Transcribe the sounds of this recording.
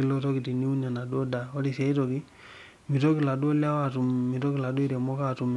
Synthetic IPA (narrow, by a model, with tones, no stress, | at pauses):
i˦˨lo˦to˦ki˨ti˨ni˦u˦na˨na˨du˦o˦da˨o˦di˨se˦i˦to˨ki˦ | mi˨to˦ki˨la˨du˦o˦lja˦wa˦tu˨mːi˨to˦ki˨la˨du˦i˦ɾe˨mɔ˦katu˨m